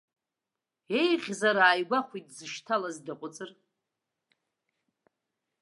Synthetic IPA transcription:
e̞jʁʲzaɾaːjɡʷaχʷitʼzɨʃtʰalazdaqʷʼʊt͡sʼɨr

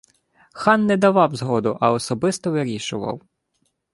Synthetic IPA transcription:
xɑnːɛd̪ɐʋɑwzɦɔd̪ʊʔɐɔsɔbɪst̪ɔʋɪɾʲiʃʊʋɐ̰w

